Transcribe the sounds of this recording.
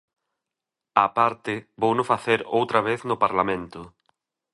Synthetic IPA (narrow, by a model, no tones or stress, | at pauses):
apaɾt̪ɪbownʊfaθeɾowt̪ɾaβ̞eθnʊpaɾlamẽnt̪ʊ